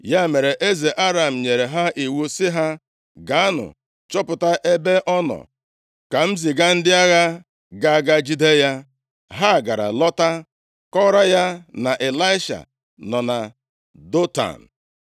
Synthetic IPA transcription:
ja˦me˨ɾe˨ʔe˦ze˨ʔa˦ɾa˨m̩˨ɲe˨ɾe˨ɦa˦ʔi˨wu˦sɪ˦ɦa˦ | ɡa˨a˦nʊ̰˨ | t͡ʃɔ˦pʊ˨ta˦ʔe˦be˦ʔɔ˦nɔ̰˨ | ka˨m̩˦zi˨ɡa˦n̩˦dɪ˦a˦ɣa˦ | ɡa˨a˨ɡa˦d͡ʒi˦de˦ja˦ | ɦa˦˨ɡa˨ɾa̰˨lɔ˦ta˦ | kɔ˦ɾa˦ja˦na˨ʔe˨la˦ɪ˦ʃa̰˨ | nɔ˨na˨ | do˦ta̰˨n̩˨

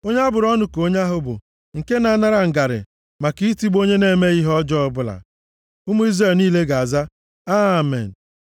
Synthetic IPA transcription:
o˦ɲ˦a˦bʊ˨ɾɔ˦nʊ˨ko˦ɲ˦a˦ɦʊ˦bʊ̰˨ | ŋ̩˨ke˦na˨˦na˦ɾa˨ŋ̩˨ɡa˨ɾɪ̰˨ | ma˨ki˦ti˦ɡ͡bo˦ɲe˦ne˨me˦i˦ɦɔ˦d͡ʒɔ˦ɔ˦bʊ˦la̰˨ | ʊ˦mu˦i˦zɾe˨lniː˦le˦ɡa˨a˨za˦ | a˦˨mḛ˨n̩˨

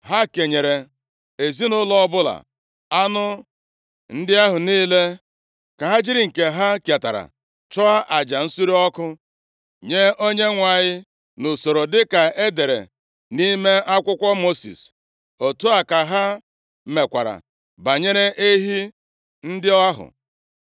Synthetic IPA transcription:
ɦa˦ke˨ɲe˨ɾe˨ | e˨zi˦nʊ˦lɔ˦ɔ˦bʊ˦la̰˨ | a˦nʊ˦ | n̩˦dɪ˦a˦ɦʊ˨niː˦le˦ | ka˨ɦa˦d͡ʒi˦ɾɪ˨ŋ̩˨ke˨ɦa˦kja˨ta̰˨ɾa̰˨ | t͡ʃɔ˦a˦ʔa˨d͡ʒa˨n̩˦su˦ɾi˦ɔ˦kʊ˦ | ɲe˦o˦ɲe˦ŋʷa˨ɲɪ˦ | nʊ˨so˨ɾo˨dɪ˦ka˨e˦de˨ɾḛ˨ | ni˦me˦a˦kʷʊ˦kʷɔ˦mo˦sḭ˨s | o˨tu˦a˨ka˨ɦa˦ | me˨kʷa̰˨ɾa̰˨ | ba˨ɲe˦ɾe˦ʔe˦ɦi˦ | n̩˦dɪ˦ɔ˦a˦ɦʊ̰˨

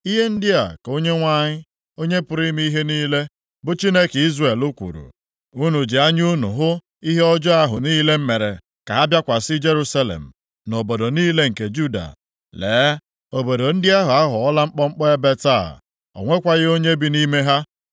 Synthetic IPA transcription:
i˦ɦe˦n̩˦dɪ˦a̰˨ko˦ɲe˦ŋʷa˦ɲɪ˦ | o˦ɲe˦pʊ˨ɾi˦mi˦i˦ɦe˦niː˦le˦ | bʊ˦t͡ʃi˦ne˦ke˨i˦zre˨lu˦kʷṵ˨ɾṵ˨ | u˦nu˨d͡ʒɪ˨a˦ɲu˦nu˨ɦʊ˦ | i˦ɦe˦ɔ˦d͡ʒɔ˦a˦ɦʊ˨niː˦le˦m̩˦me˨ɾḛ˨ | ka˨ɦa˦bja˦kʷa˨sɪ˦d͡ʒe˦ɾu˦sa˦lḛ˨m̩˨ | no˨bo˨do˨niː˦le˦ŋ̩˨ke˨d͡ʒu˦da̰˨ | leː˨˦ | o˨bo˨do˨n̩˦dɪ˦a˦ɦʊ˨a˦ɦʊ˨ɔ˦la˦ŋ͡m̩˦k͡pɔ˦ŋ͡m̩˦k͡pɔ˦e˦be˦ta̰˦˨ | ɔ̰˨ŋʷe˦kʷa˨ɣɪ˦o˦ɲe˦bi˨ni˦me˦ɦa˦

